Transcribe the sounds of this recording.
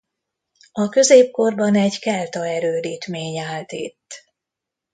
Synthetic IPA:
ɒkø̞zeːp̚ko̞rbɒnɛɟkɛlt̪ɒɛɾøːɾiːt̪meːɲaːlt̪ḭt̪ː

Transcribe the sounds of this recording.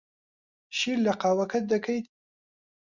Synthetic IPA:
ʃiɾlɐqaːwɐkʰɐt̪̚d̪ɐkʰɐj̪

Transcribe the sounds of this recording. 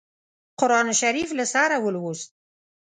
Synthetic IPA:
qʊɾɑnʃaɾiflasɑɾawəlwust̪̚

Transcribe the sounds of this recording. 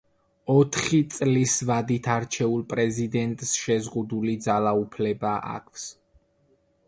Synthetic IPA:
ɔt̪ʰχit̪sʼlisvad̪it̪ʰaɾt͡ʃʰɛulˠpʼɾɛzid̪ɛnt̪ʼsʃɛzʁud̪ulid̪zalaupʰlɛbaʔa̰kʰws

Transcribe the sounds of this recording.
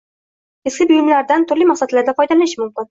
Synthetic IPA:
eskʲɪbʊjɪmlaɾd̪ant̪ʰʊɾlimaχsat̪laɾd̪afɒjd̪alanɪʃɪmʊmkʲɪn

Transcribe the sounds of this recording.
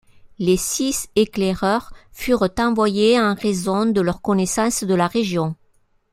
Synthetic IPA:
lesisekleʁœʁfyʁt̪ɑ̃vwajeɑ̃ʁezɔ̃d̪əlœʁkɔnesɑ̃sd̪əlaʁeʒjɔ̃

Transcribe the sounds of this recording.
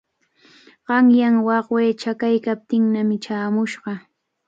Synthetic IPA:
ɢ̥ɑŋjaŋwɑχweːt͡ʃakajkap̚t̪ɪŋnamɪt͡ʃaːmʊʃɢɑ

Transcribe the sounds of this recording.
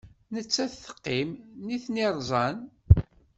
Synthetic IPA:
nət͡sːæθθə̥qːimniθniɾˤzˤɑn

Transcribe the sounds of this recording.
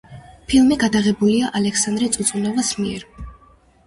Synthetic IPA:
pʰilˠmiɡad̪aʁɛbuliaʔalɛksand̪ɾɛt̪sʼut̪sʼunɔvasmiɛɾ

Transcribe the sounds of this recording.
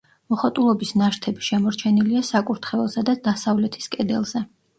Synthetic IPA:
mɔχɔt̪ʼulˠɔbisnaʃt̪ʰɛbiʃɛmɔɾt͡ʃʰɛniliasakʼuɾt̪ʰχɛɛlˠsad̪ad̪asavlɛt̪ʰi̥skʼɛd̪ɛ̰lˠz̥ɛ

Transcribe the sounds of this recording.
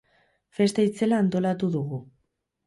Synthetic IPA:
fe̞st̪ait͡se̞laːnt̪o̞lat̪uðuɣu

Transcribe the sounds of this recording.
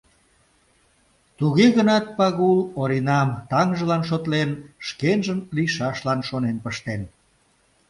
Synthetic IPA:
t̪uɣeɣənɑt̪̚pɑɣuloɾinɑmt̪ɑŋʒəlɑnʃ̬ot̪lenʃkenʒəmliʃɑʃlɑnʃonenpəʃt̪en

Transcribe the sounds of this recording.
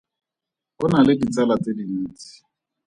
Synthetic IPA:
ʊnalɪdit͡salat͡sediniːt͡si̥

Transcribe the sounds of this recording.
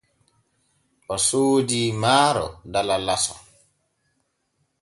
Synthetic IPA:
ʔɔsoːdiːmaːɾɔ̰dalalasɔ̰

